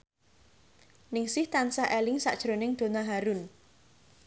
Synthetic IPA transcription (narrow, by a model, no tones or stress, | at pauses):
nɪŋsɪht̪ansaʔelɪŋsa̰ʔd̥ʒ̥ɾonɪŋd̪̥o̤naɦaɾʊn